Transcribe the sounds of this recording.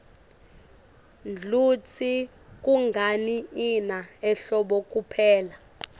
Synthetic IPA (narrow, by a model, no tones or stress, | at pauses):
nd͡ɮʱut͡sʰi | k̬ʼuŋɡʱaniːnaɛɬɔɓɔkʼupʰɛːla